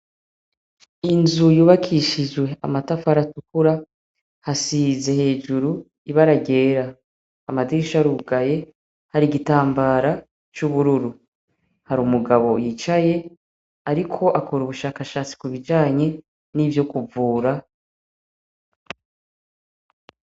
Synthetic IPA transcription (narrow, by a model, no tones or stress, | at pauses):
inzujuːβakʰiʃid͡ʒwe̞a̰matafaɾatukuɾa | hasize̞he̞ːd͡ʒuɾu | iβaɾaɟe̞ːɾaː | madiɾiʃaɾuːɡaje̞ | haɾiɡitaːmbaɾa | t͡ʃuβuɾuɾu | haɾuːmuɡaβo̞jit͡ʃaje̞ | aɾikʰo̞ʔakʰoɾuβuʃaːkaʃaːt͡si̥kuβid͡ʒaːɲe̞ | nivjo̞kuvuːɾa